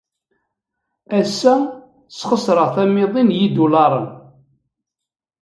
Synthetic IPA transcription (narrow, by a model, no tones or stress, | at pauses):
æsːæ | sχəsɾəʁθæmɪðˤinjid̪ulɑɾˤə̰n